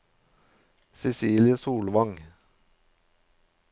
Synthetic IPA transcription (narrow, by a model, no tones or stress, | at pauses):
sɛsiːljəsuːlʋɑŋ